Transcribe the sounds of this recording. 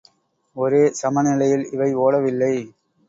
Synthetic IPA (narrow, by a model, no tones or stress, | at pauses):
ɔɾeːsɐmɐnɪlɐjɪlɪʋɐɪoːɽɐʋɪlːɐɪ